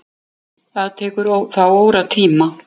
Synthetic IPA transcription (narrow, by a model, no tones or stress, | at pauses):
aðt̪ʰɛːkʏɾoθawoːwɾat̪ʰiːma